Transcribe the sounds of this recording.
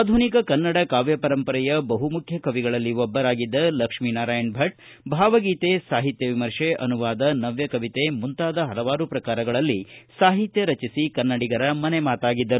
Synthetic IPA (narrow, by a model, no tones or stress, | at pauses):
aːd̪ʱunikɐkɐnːɐɽɐkaːʋjɐpɐɾɐmpɐɾɐjɐbɐɦumukʰjɐkɐʋiɡɐɭɐlːiʋɔbːɐɾaːɡid̪ːɐlɐkʂminaːɾaːjɐnbʱɐʈ̚ | bʱaːʋɐɡiːt̪esaːɦit̪jɐʋimɐɾʂeʔɐ̰nuʋaːd̪ɐnɐʋjɐkɐʋit̪emunt̪aːd̪ɐɦɐlɐʋaːɾupɾɐkaːɾɐɡɐɭɐlːisaːɦit̪jɐɾɐt͡ʃisikɐnːɐɽiɡɐɾɐmɐnemaːt̪aːɡid̪ːɐɾu